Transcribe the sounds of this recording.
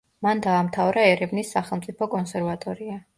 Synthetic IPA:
mand̪aːmt̪ʰavɾaɛɾɛvnisːaχɛlˠmt̪sʼipʰɔkʼɔnsɛɾvat̪ʼɔɾia

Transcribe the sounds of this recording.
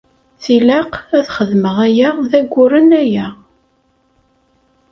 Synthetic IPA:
θilɑqæθχəðməʁæjæðæɡʷːʊɾənæjæ

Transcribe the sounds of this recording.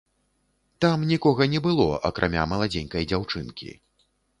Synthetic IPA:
t̪amnʲikɔɣɐnʲɛbɨlˠɔ̰ʔɐ̰kɾʔa̰mʲa̰mɐlˠad͡zʲɛnʲkɐjd͡zʲawt͡ʂɨnkʲḭ

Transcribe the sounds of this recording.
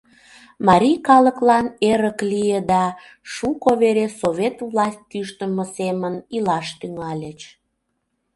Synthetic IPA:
mɑɾʲijkɑləklɑneɾəklijəd̪ɑ | ʃukoβeɾesoβʲet̪vlɑsʲt̚ʲkyʃt̪əməsemənilɑʃt̪yŋɑlʲet͡ɕ

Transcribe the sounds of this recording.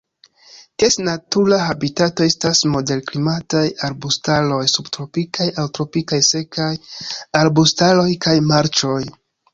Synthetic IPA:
kesnatuɾaɦabitato̞e̞stasmo̞de̞lklimatajaɾbustalo̞jsubtɾo̞pikajawtɾo̞pikajse̞kʰajaɾbustalo̞jkajmaɾt͡ʃo̞j

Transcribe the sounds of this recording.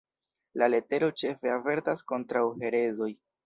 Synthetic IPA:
lale̞te̞ɾo̞t͡ʃe̞fe̞ave̞ɾtasko̞ntɾawhe̞ɾe̞zo̞j

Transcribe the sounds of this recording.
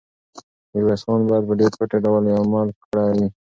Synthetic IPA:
əwasɑnbɑjad̪̚pəɖeɾpəʈeɖawlamɑlkɽawi

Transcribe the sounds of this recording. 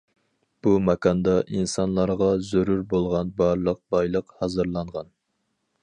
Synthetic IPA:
b̥umɛkʰɑnd̪ɑʔinsɑnlˠɑɾʁɑzøɾuɾbolˠʁɑnbɑɾlˠəq̚bɑjlˠəqhɑzɨɾlˠɑɴʁɑn

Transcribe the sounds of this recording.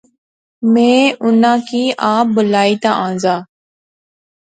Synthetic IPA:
mẽːʔʊnãːkiːʔãːbəlaːiːt̪ãːʔãːnzaː

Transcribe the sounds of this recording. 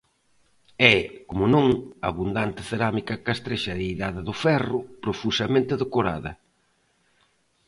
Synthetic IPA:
ɛkomʊnõŋa̰βund̪ant̪ɪ̥θeɾamikɐkast̪ɾeʃɐðejðaðɪðʊfɛrʊpɾofusɐmẽnt̪ɪðekoɾa̰ðɐ̰

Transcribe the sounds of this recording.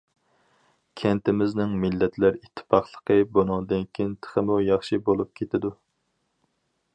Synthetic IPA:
kʲʰɛnt̪ɪmɪznɪŋmɪlːɛt̪ʰlæɾit̪ʰːɪ̥pɑχlˠə̥qʰəbonɑŋd̪ɪnkʲʰint̪ʰə̥χəmujɑχʃibolˠup̚kʲʰet̪ɪd̪u

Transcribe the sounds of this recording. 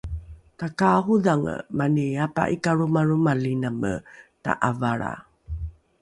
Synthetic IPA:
takahuðaŋə̰maniapa̰ʔikaɾumaɾumalinamə̰ta̰ʔavaɭa̰

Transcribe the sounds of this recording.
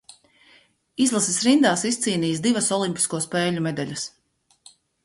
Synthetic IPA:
izlˠasisɾind̪aːsist̪siːniːsd̪ivɐsɔlˠimʲpʲi̥skuɔspɛːlʲumed̪alʲɐs

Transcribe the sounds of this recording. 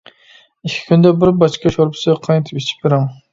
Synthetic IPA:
ikʲʰːi̥kʲʰynd̪ɛbɪɾbɑʃkɑʃoɾpʰʊ̥sɨqʰɑjt̪ʰɨpit͡ʃʰi̥p̚bɪɾɪm

